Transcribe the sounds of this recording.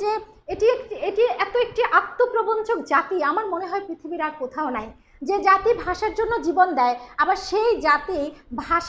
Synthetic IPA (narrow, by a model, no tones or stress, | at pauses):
d͡ʑeeʈiekieʈiɛt̪oek̚ʈiʔak̚t̪ːopɾobont͡ɕʰokd͡ʑat̪iamaɾmoneɦɔepɾit̪ʰibiɾaɾkot̪ʰaonaj | d͡ʑed͡ʑat̪ibʱaʃaɾd͡ʑonːod͡ʑibond̪ɛeabaɾʃejd͡ʑat̪ibʱaʃ